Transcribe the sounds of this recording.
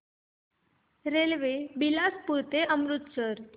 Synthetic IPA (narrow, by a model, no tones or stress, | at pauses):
ɾelʋebilaspuɾt̪eʔəmɾut̪səɾ